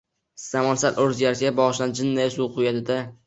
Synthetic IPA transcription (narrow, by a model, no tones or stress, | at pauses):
samalsalʔɵɾzɡʲaɾʲabɒʁʃland͡ʒɪnːajasuqʰʊjad̪ɪd̪a